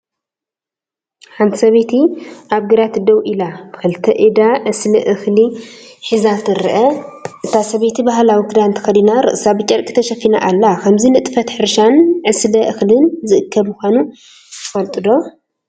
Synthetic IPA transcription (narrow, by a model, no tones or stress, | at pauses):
ħant̪ʰi̥sɐβet̪ʰiʔaβɡɨɾat̪d̪ɐwʔilabkʰɐlɨt̪ʰɐʔid̪aʕɨslɐʔɨxliħizat̪ɨɾɨʔɐʔɨt̪ʰasɐβet̪ʰibaɦlawikʰdant̪ʰɐxɐlinaɾɨ̰ʔsabɨt͡ʃʼɐɾkʼi̥t̪ʰɐʃɐfina̰ʔalːakʰɐmzinɨt̪ʼɨfɐt̪ħɨɾʃanʕɨslɐʔɨxlɨnzɨʔɨkʰːɐbmʊxʷanu | t̪ʰɨ̥fɐlt̪ʼɨd̪o̞